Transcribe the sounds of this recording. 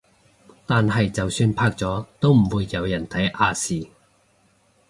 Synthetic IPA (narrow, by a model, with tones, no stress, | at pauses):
t̪aː˨nhɐ˨jt͡sɐ˨wsyː˧npʰaː˥k̚t͡sɔː˨˥t̪o˥wm̩˨˩wuː˨˧jːɐ˨˧wjɐ˨˩nt̪ʰɐ˨˥jʔaː˧siː˨˩